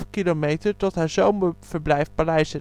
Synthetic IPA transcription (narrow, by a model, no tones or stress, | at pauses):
kilomejtəɹtɔtɦaːzowməv̥əɹblɛjfpalɛjsə